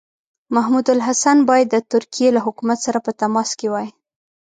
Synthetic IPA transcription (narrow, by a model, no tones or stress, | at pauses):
maɦmud̪ʊlɦasanbɑjad̪ːət̪ʊɾkijelaɦʊkumat̪saɾapət̪amɑskewɑj